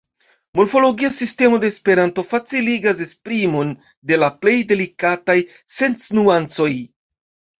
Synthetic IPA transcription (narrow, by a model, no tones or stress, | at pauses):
moɾfo̞lo̞ɡiasiste̞mo̞de̞ːspe̞ɾanto̞fat͡siliɡas̬e̞spɾimo̞n | de̞laple̞jde̞likataj | se̞nt͡snuant͡so̞j